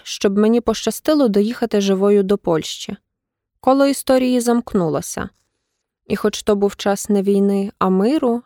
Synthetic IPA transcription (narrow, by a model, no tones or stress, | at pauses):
ʃt͡ʃɔbmenʲipɔʃt͡ʃɐst̪ɪlˠɔd̪ɔjixɐt̪ɪʒɪʋɔjʊd̪ɔpɔlʲʃt͡ʃi | kɔlˠɔist̪ɔɾʲijizɐmknulˠɐsʲɐ̰ | ixɔt͡ʃt̪ɔbuwt͡ʃɑsnɛʋʲijnɪɐmɪɾʊ